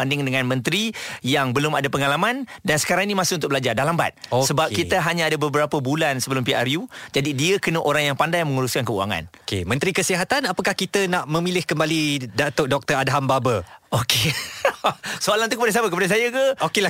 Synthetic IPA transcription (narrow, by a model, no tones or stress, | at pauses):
andɪŋdəŋanmə̃nt̪ɾijaŋbəlʊmadapəŋalamãndansə̥kaɾaŋinimãsɪunt̪ʊk̚bəlad͡ʒardalamba̰t̪̚osəbap̚kiəɦaɲaadabəbəɾapəbulansəbəlʊmpiarjud͡ʒadidiəkənəʔoɾaŋjaŋpandajməŋuɾʊskankəua̰ŋa̰nokḛmə̃nt̪ɾikəsiɦat̪anapakahkit̪ənaʔmə̃milɪhkəmbalidat̪ʊʔ̚dɔk̚t̪əɾadɦambabəoke | soalant̪ukəpadas̬apəkəpadas̬ajəkəokela